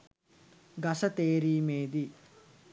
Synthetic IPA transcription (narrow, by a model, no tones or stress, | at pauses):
ɡɐsɐt̪eːɾiːmeːd̪i